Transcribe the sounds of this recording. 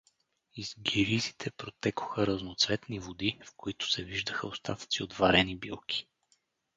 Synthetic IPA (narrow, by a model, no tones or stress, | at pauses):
izɡiɾizit̪ʰɛpɾot̪ɛko̥xəɾəznot̪svɛt̪nivod̪ifkoit̪ʊ̥sɛviʒd̪əxəost̪at̪ə̥t̪siod̪vɐɾɛnibilˠkʰʲi̥